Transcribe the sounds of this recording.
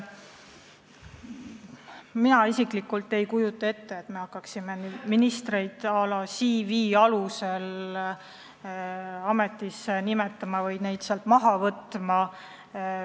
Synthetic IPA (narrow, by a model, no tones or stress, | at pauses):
minɑisiklikːˑult̪ːˑe̞jkujut̪ːˑɑe̞t̪ːe̞et̪me̞hɑkːɑksime̞minist̪rejd̪̥ɑlɑsiviːɑluse̞l | ɑme̞t̪ˑːisenimet̪ːˑɑmɑvɤj̪ne̞jd̪̥seɑlt̪mɑɦɑvɤt̪ːˑmɑ